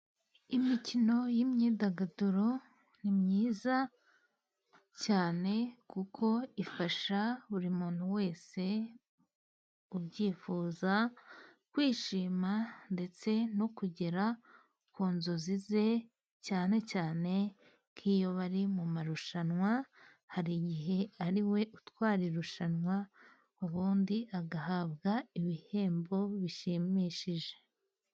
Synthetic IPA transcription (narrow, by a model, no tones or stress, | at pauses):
imicino̞jimɲiːdaɡaduɾo̞ | nimɲiːza | caːne̞kukʰo̞ifaʃaβuɾimuːn̥huwe̞ːse̞ | ubɟiːfuːza | kwiːʃiːmande̞t͡se̞no̞kuɟe̞ɾa | kuːnzo̞zize̞ | caːne̞caːne̞ | kʰiːjoβaɾimumaɾuʃanŋwa | haɾiɟiɦe̞aɾiwe̞ʔutwaːɾiɾuʃanwa | uβuːndiʔaɡahaβɡaiβihe̞ːmbo̞βiʃiːmiʃiʒe